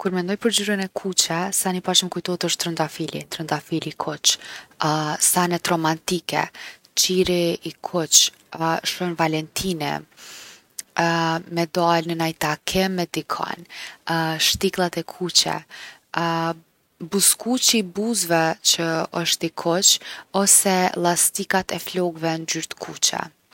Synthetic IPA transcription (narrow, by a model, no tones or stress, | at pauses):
kuɾmɛnd̪ɔjpəɾd͡ʑuɾənɛkʰut͡ɕɛsanipat͡ʃmɛkujt̪ɔt̪əʃt̪ːɾənd̪afilḭt̪ɾənd̪afilikʰɔt͡ʃ | sanɛt̪ɾɔmant̪ikɛ̰ | t͡ʃiɾiikʰɔt͡ʃ | ʃɔnvalɛnt̪ʰinɛ̰ | mɛd̪alnənajt̪akʰɛmɛd̪ikʰa̰n | ʃt̪iklˠat̪ɛkʰut͡ʃɛ̰ | buskut͡ʃibuzvɛt͡ʃəəʃt̪ikʰɔt͡ʃɔsɛlˠast̪ikat̪ɛflɔɡvɛnd͡ʒyɾt̪kʰut͡ʃɛ̰